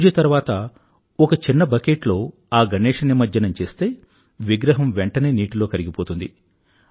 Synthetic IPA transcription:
d͡ʒɐt̪ɐɾuʋaːt̪ɐ | ɔkɐt͡ʃinːɐbɐkeːʈlo̞ː | aːɡɐneːʂɐnimɐdːɐnɐmt͡ʃe̞ːst̪e̞ː | ʋiɡɾɐɦɐmʋeɳʈɐne̞ːniːʈilo̞ːkɐɾiɡipoːt̪und̪i

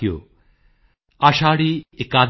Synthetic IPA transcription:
jo̰ | ɐʃaːɽiekaːd̪

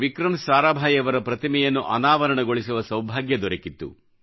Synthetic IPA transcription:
ʋikɾɐmsaːɾaːbʱaːjɐʋɐɾɐpɾɐt̪imɛjɐnːuʔɐ̰naːʋɐɾɐɳɐɡoɭisuʋɐsɐwbʱaːɡjɐd̪ɔɾɐkit̪ːṵ

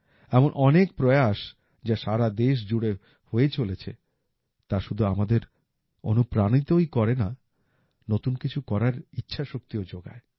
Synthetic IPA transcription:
ɛmonʔɔnekpɾɔeaʃ | d͡ʑaʃaɾad̪eʃ̬d͡ʑuɽe | hoet͡ɕolet͡ɕʰḛ | t̪aʃud̪ʱuamad̪eɾ | o̰nupɾanit̪ojkɔɾena | not̪unkit͡ɕʰukɔɾaɾitːɕʰaʃok̚t̪iod͡ʑoɡa̰e

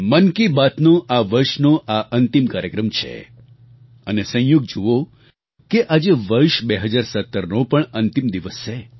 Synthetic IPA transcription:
mənkibat̪nõʔaʋəɾʃnoʔaʔənt̪imkaɾjəkɾəmt͡ʃʰḛ | ənesə̃ɦjuɡd͡ʒuʋo | keʔad͡ʒeʋəɾʃbeɦəd͡ʒaɾsət̪ːəɾnopəɳənt̪imd̪iʋəst͡ʃe

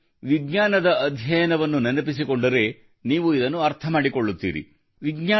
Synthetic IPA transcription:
ʋiɡɲaːnɐd̪ɐːd̪ʱjɐjɐnɐʋɐnːunɐnɐpis̬iko̞ɳɖɐɾe̞ | niːʋuid̪ɐnːuɐɾt̪ʰɐmaːɽiko̞ɭːut̪ːḭːɾḭ | ʋiɡɲaː

